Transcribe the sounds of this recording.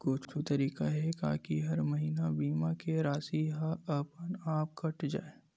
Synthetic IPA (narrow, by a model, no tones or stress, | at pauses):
koːt͡ʃt͡ʃut̪ɐɾiːkaɦɛka̰ːkiɦɐɾmɐɦiːnabiːmakeɾaːsiɦaɐpənaːp̚kɐʈd͡ʒa̰ːe